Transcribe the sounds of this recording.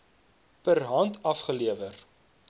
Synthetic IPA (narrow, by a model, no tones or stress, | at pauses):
pərɦɐntɐfχəliəvər